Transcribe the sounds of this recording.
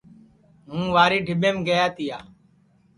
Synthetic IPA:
ɦũːʋaːɾiːɖʱɪɓẽːmɡəjaːt̪ijaː

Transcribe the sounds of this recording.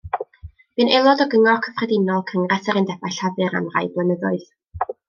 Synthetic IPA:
mɨnɛlˠɔdɔɡəŋɔkʰəfrɛdɪnɔlˠkʰəŋrasəɾɪndɛbajɬavɨɾa̰nra̰jblˠənəðʊɨð̥

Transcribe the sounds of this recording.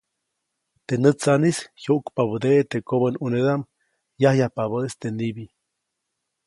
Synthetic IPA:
t̪enət͡sanishjoʔkpaβəd̪eʔt̪ekoβənuneðam | jahjahpaβəest̪enibi

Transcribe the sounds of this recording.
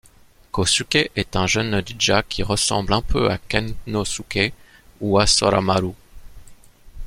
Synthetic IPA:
kosukʲeʔɛt̪ɛ̃ʒənd̪id͡ʒakʲʰiʁəsɑ̰̃blɛ̃pʰø̰a̰kannosukʲe | uasɔ̰ɾa̰maɾu

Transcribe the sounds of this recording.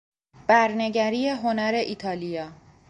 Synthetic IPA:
b̥æɾne̞ɟæɾiːjeɦo̞næɾe̞ʔit̪ʰɒːlijɒː

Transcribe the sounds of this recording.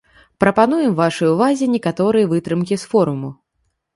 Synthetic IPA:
pɾɐpanujɛmvaʂɨjuvazʲɛnʲɛkat̪ɔɾɨjɐvɨt̪ɾɨmkʲisfɔɾumu

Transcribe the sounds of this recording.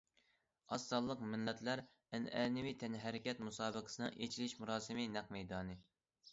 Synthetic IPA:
ɑsːɑlˠːəqmɪnːɛt̪ʰlæɾ | ɛnɛ̰ːnɪwit̪ʰɛnɦɛɾɪkʲɛt̪musɑːbəqʰə̥sɨnɨ̰ŋʔet͡ʃʰilɪʃmuɾɑːsɨmɪnɛqmɛjd̪ɑːnɨ

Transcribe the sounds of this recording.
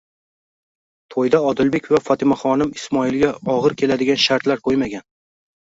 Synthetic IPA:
t̪ʰojd̪aɒd̪ɪlbe̞kʲvafɒt̪ʰɪmaχɒnɪmɪsmɒɪlɡʲaɒʁɨɾkʲʰe̞lad̪ɪɡʲanʃaɾt̪laɾqʰojmaɡʲan

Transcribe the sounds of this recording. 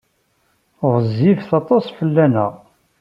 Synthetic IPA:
ʁˤəzːivθɑt̪ˤɑsfəlːænæ̰ʁ

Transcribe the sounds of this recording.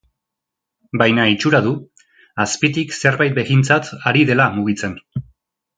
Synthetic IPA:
bajnait͡ʃuɾaðu | aspit̪ikse̞ɾβajt̪̚beɣint͡sat̪aɾiðe̞lamuɣ̞it͡se̞n

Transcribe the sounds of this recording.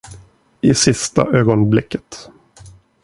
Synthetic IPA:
ʔɪsɪst̪a̰ʔøːɡɔnblɪkːə̥t̪

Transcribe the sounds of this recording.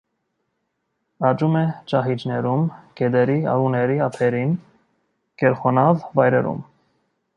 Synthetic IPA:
ɑt͡ʃumɛt͡ʃɑɦid͡ʒnɛɾumkɛd̪ɛɾiɑ̰ɾunɛɾiɑpʰɛɾin | kɛɾχɔnɑvvɑjɾɛ̰ɾṵm

